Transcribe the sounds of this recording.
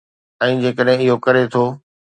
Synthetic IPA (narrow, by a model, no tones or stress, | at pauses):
ɛ̃ːd͡ʑeːkəɗɦɪ̃ɪɦokɐɾet̪ʰoː